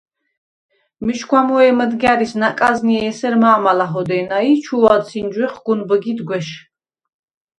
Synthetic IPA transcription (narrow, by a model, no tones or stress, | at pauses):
miʃɡwamɔɛməd̪ɡaɾisnakʼazniɛːsɛɾmaːmalaɦɔd̪ɛnait͡ʃʰuvad̪sʰind͡ʒwɛχɡ̥unbəɡid̪ɡwɛʃ